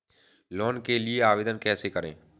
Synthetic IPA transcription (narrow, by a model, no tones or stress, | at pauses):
lɔːnkelieaːʋeːd̪ənkɛːsekəɾḛ̃ː